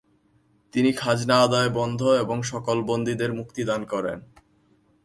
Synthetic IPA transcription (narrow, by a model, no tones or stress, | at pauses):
t̪inikʰad͡ʑnaad̪aebɔnd̪ʱoeboŋʃɔkolbond̪ʱid̪eɾmuk̚t̪id̪ankɔɾḛn